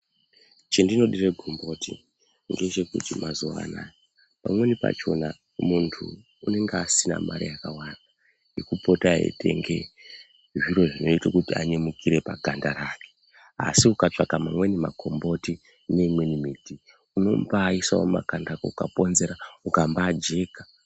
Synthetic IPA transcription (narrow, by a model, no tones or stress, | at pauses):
t͡ʃendino̞ɗireɡʱombo̞ti | ŋɡet͡ʃe̞kutimazuʋa̰na̰ | ma̰mwe̞nipa̰t͡ʃo̞na | muntʰuː | ne̞ŋɡeasina̰ma̰ɾḭjakawaːna | jekupo̞taḛtʰe̞̰ŋɡe̞ | ʐiɾo̞ʐino̞itakutia̰ɲemukʰiɾe̞paɡʱandaɾaːke̥ | a̰siukat͡ʂakamamwenima̰ɡʱo̞mbo̞ti | ne̞imwenimiːti | uno̞mbaːisaomakandakoukapo̞nze̞ɾaukambaːd͡ʒe̞ːkḁ